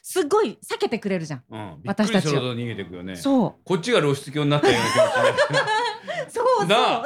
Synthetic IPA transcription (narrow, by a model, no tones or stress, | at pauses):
sɨɡːo̞isake̞t̪e̞kɯ̟ɾe̞ɾɯ̟ʑãŋɯ̰̃ːbiβat̪aɕiɯɾʲit̪asiit̪oɲiɡe̞t̪ekɯjo̰nḛso̞ːko̞t̚t͡ɕːiɡaɾoːɕi̥t͡sɨkʲoːɲinat̪enokʲ | soːna